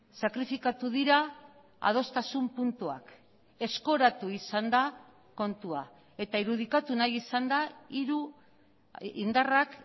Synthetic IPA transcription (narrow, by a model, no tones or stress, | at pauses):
sakɾifikat̪uðiɾa | a̰ð̞o̞st̪asumpunt̪ua̰k | e̞sko̞ɾat̪uisand̪a | ko̞nt̪ua | e̞t̪aiɾuð̞ikat̪unajisand̪aiɾu | ind̪arak